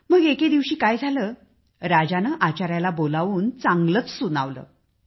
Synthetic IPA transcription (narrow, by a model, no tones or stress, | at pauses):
məɡeked̪iʋɕiːkajd͡zʱaləː | ɾad͡ʑanəʔat͡ɕaɾjalabolaʋuːnt͡saŋɡlət͡ssunaʋlə̰ː